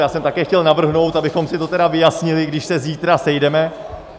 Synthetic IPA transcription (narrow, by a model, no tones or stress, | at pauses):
jaːsɛmt̪akɛːxcɛlnavr̩ɦno̞wt̪abɪxo̞msɪt̪ot̪ɛdavɪjasɲɪlɪɡdɪʃsɛziːt̪ɾasɛjdɛmɛ